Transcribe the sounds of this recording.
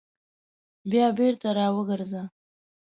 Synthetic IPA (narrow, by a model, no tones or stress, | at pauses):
bjɑbeɾt̪aɾɑwəɡəɾza